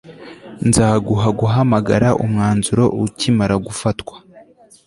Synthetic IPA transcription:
nzaːɡuɦaɡuɦamaɡa̰ɾaʔumŋaːnzuɾo̞ʔucimaɾaɡufatwḁ

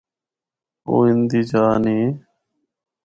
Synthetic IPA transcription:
o̰ːɦɪnd̪iːd͡ʒaːneː

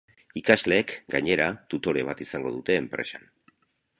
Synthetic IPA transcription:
ikazle̞ːkɡa̰ɲe̞ɾat̪ut̪o̞ɾe̞β̞at̪isaŋɡo̞̰ðut̪e̞ːmpɾe̞̰san

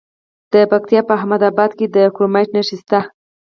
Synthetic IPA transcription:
d̪̥əpak̚t̪jɑpəɦamad̪abɑd̪ked̪əkomajʈnaʃist̪a

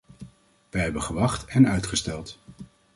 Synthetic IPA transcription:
ʋɛjɦɛbənχəʋɑχtɛnœɥtχəstɛlˠt

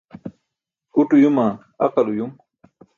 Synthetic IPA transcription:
kuʈujuma | a̰qalujum

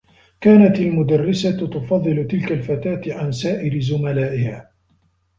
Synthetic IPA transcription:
kaːnat̪almʊd̪arːɪsat̪t̪ʊfɑðˤːɨlʊt̪ɪlkalfat̪aːt̪ʕansaːʔɪɾɪzʊmalaːʔɪhaː

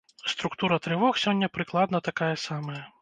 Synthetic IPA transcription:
st̪ɾukt̪uɾɐt̪ɾɨvɔxsʲɔnʲːɐpɾɨklˠad̪nɐt̪akajɐsamɐjɐ

